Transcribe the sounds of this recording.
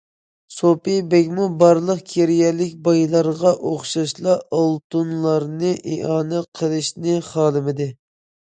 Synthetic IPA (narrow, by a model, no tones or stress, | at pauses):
sopɪbɛkʲmubɑɾlˠəqkʲʰeɾjɛlɪk̚ʲbɑjlˠɑɾʁɑʔoχʃɑʃlˠɑolˠt̪unlˠɑɾnɨʔeʔɑːnɛqʰəlˠɨʃnɪχɑːlˠɨmɪd̪ɪ